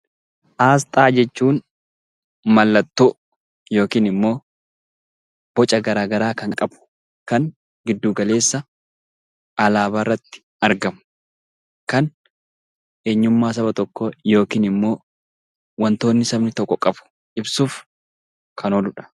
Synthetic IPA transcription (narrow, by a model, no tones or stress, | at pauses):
ʔaːs̬t̪ʼaːd͡ʒɛt͡ʃːuːn | mɐlːɐt̪ːʊʔʊ | jo̞ːkiːnɪmːo̞ː | b̥ɔt͡ʃʼɐɡɐɾaːɡɐɾaːkɐŋkʼɐbʊ̥ | kɐn | ɡɪd̪ːuːɡɐle̞ːsːɐ | ʔɐlaːbaːrːɐt̪ːɪ̥ | ɐɾɡɐm | kɐn | eːɲːʊmːaːs̬ɐbɐt̪ɔkːɔjo̞ːkiːnɪmːo̞ː | wɐnt̪o̞ːnːɪsɐbnɪt̪ɔkːɔkʼɐb̥ʊ̥ | ʔɪbsuːf | kʰɐnoːlʊᶑɐ̥